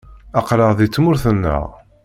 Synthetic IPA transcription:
ɑqɾˤəʁðit͡sːmʊɾθənːə̰ʁ

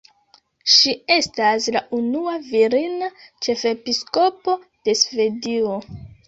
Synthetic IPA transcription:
ʃie̞staslaʔunuaviɾinat͡ʃe̞fe̞pisko̞po̞ | d̥e̞sve̞dio̞

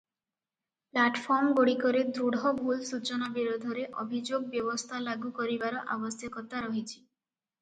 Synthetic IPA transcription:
plaʈpʰɔɾmɡoɽikɔɾed̪ɾuɽʱɔbʱulsut͡ʃɔnabiɾod̪ʱɔɾeʔobʱid͡ʒoɡ̚bjɔbɔst̪ʰalaɡukɔɾibaɾɔʔa̰bɔsjɔkɔt̪aɾɔɦit͡ʃʰi̥

